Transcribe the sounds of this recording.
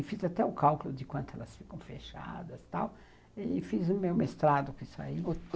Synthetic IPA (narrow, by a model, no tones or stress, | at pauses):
fizat̪ɛʊkawkʊlʊd̪ɪkwɐ̃nt̪ʊɛ̰lɐsfi̥kɐ̃w̃feʃa̰d̪ɐst̪aw | efizũmewmest̪ɾad̪ʊkõisʊa̰i